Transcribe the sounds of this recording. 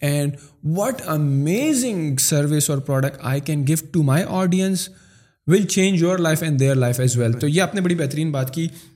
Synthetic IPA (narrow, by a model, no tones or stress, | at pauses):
ɛ̃ɳɖʋɔʈəmeːzɪ̃ŋsɐɾʋɪsɔːɾpɾɔːɖək̚ʈa̰ɪkɛ̃nɡɪʋʈumaɪʔɔːɖiə̃ns | ʋɪlt͡ʃẽːnd͡ʒjoːɾlaɪfɛ̃nɖd̪eɾlaɪfɛzʋɛlt̪oːjeapnebɐɽibɛɦt̪əɾĩːnbaːt̪kiː